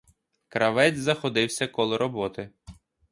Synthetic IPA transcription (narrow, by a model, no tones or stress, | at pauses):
kɾɐʋɛd͡zʲzɐxɔd̪ɪwsʲɐkɔlˠɪɾʔɔbɔt̪ɪ